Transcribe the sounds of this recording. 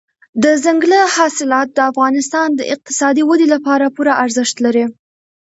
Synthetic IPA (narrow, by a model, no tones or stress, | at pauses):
d̪əzaŋɡləhɑsɪlɑt̪̚d̪əafɣɑnɪst̪ɑnd̪ə̰ʔɪq̚t̪ɪ̥sɑd̪iwad̪ilapɑɾapuɾaʔaɾzɪʃt̪laɾi